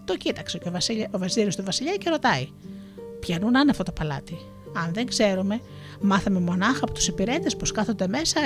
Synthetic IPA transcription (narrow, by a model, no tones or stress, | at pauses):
t̪o̞cit̪ɐksecovɐsiovɐsiɾist̪uvɐsiʎɐce̞ɾo̞t̪ɐi | pçɐnunɐneɐft̪ot̪opɐlɐ̰t̪i | ɐnðe̞ŋɡze̞ɾume̞ | mɐθɐme̞mo̞nɐxɐːpo̞t̪u̥sipiɾe̞t̪e̞sposkɐθo̞nd̪e̞me̞sɐ